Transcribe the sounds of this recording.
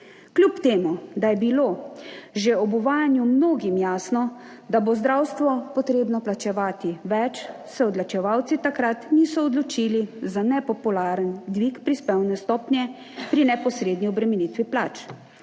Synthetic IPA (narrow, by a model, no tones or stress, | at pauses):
klʲupt̪eːmud̪ajɛbiloʒeɔbuʋaːjanjumnoːɡimjaːsnɔ | d̪abozd̪ɾawst̪ʋɔpɔt̪ɾeːbnɔplat͡ʃɛʋaːt̪iʋɛt͡ʃ | sɛɔd̪lat͡ʃɛʋawt̪sit̪akɾat̪nisɔːd̪lɔt͡ʃilizanɛpɔpulaːɾənd̪ʋikpɾispɛwnɛst̪ɔːpnʲjɛ | pɾinɛpɔsɾeːd̪niɔbɾɛminit̪ʋiplaːt͡ʃ